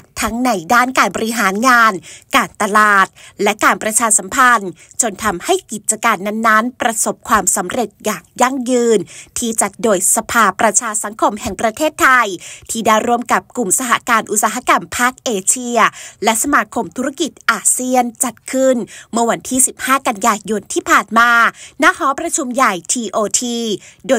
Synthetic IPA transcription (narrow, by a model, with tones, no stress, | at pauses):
t̪ʰa˦˥ŋna˧jdaː˥˩nkaː˧nbɔː˧ɾi˧˥ɦaː˩˦nŋaː˧nkaː˧nt̪a˧laː˨˩t̪̚lɛ˦˥kaː˧npɾa˧t͡ɕʰaː˧sa˩˦mpʰa˧n | t͡ɕo˧nt̪ʰa˧mha˥˩jki˨˩t̪̚t͡ɕa˧kaː˧nːa˧˩nːa˦˥npɾa˧so˨˩p̚kʰwaː˧msa˩˦mɾe˨˩t̪̚jaː˨˩ŋja˧˥˩ŋjɯː˧nt̪ʰiː˧˩t͡ɕa˨˩t̪̚doː˧˩jsa˧pʰaː˧pɾa˧t͡ɕʰaː˧sa˨˩˦ŋkʰo˧mhɛ˨˩ŋpɾa˧t̪ʰeː˥˩t̪ʰːa˧jt̪ʰiː˧˩da˧˥˩jɾu˧˥˩əmka˨˩p̚ku˨˩msaː˧ɦa˧kaː˧nʔu˨˩t̪̚saː˧ɦa˧ka˧mpʰaː˥˩k̚ʔeː˧t͡ɕʰi˧ɐlɛ˦˥ʔsa˧maː˧kʰo˧mt̪ʰu˦˥ɾa˥˩ki˨˩t̪̚ʔaː˧˩si˧˥ənt͡ɕa˨˩t̪̚kʰɯ˥˩nmɯ˥ɐ˧wa˧nt̪ʰiː˥˩si˨˩p̚haː˥˩ka˧njaː˧jo˧nt̪ʰiː˥˩pʰaː˨˩nmaː˧na˦˥hɔː˨˦˥pɾa˧t͡ɕʰu˧mja˨˩jt̪ʰiː˧ʔoː˧t̪ʰiː˧doː˧